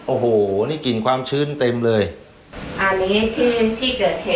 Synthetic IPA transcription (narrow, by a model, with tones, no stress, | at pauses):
ʔoː˧˩ɦoː˨˩˧niː˥˩ki˨˩nkʰwaː˧mt͡ɕʰɯː˥˩nt̪e˧mlɤː˧j | ʔa˧nːiː˦˥t͡ɕʰɯː˥˩nt̪ʰiː˥˩kɤː˨˩t̪̚heː˨˩